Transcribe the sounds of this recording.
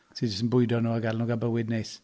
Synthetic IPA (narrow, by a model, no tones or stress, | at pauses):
tʰiːd͡ʒəstən̩bʊɨdɔnuːaɡalnuːɡabəwɪdnejs